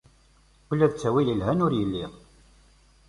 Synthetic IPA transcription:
kəlːæðt͡sːæwiləlɦænʊɾjəlːiʁ

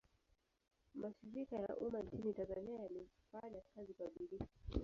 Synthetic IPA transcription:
maʃiɾikaja̰ʔumant͡ʃinitanzaniajalifaɲakazikwaɓilifa

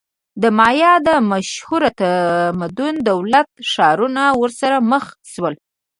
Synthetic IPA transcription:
d̪əmɑjɑd̪əmaʃhuɾat̪amad̪und̪awlat̪ʂɑɾunawəɾsaɾaməxʃwəl

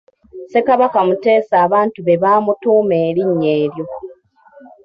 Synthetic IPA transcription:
se̞kaβakamute̞ːsaːβaːntuβe̞βaːmutuːme̞ːɾiɲːe̞ːɾjo̞

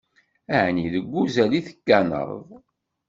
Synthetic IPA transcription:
æʕniðəɡʷːuzæliθə̥kːænə̰ɾˤðˤ

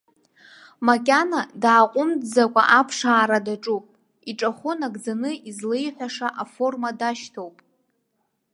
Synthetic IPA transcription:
makʲʼanadaʕːqʷʼʊmdd͡zakʷʼa̰ʔapʰʂaːɾadaʈ͡ʂʼupʼ | iʈ͡ʂʼaχʷʊnaɡd͡zanɨizlejħʷaʂaʔafo̞rmadaʃtʰo̞wpʼ

